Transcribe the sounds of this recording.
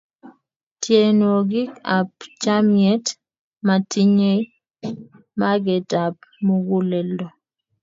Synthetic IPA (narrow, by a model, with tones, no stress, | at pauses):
tʰje˨no˨ɡɪ˦ka˨pt͡ʃa˦mjɛ˦t | ma˨tʰi˦ɲe˦j | ma˦ɡɛ˨ta˨p̚mu˦ɡu˦lɛ˨ldo˨